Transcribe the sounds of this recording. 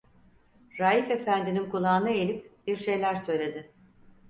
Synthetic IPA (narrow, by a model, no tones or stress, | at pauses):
ɾaːjife̞fænd̪inimkulˠaːnɯelʲip̚biɾʃe̞jlʲæɾsø̞jlʲe̞d̪ɪ